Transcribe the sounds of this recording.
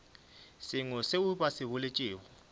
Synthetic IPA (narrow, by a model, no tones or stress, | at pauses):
sɪŋɔseuɓasɪβʊlet͡ʃʼeːwɔ